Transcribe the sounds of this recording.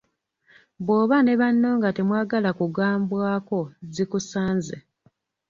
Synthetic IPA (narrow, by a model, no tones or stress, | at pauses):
βwo̞ːβane̞βanːo̞ːŋɡate̞mwaːɡalakuɡaːmbwaːko̞zikusaːnzḛ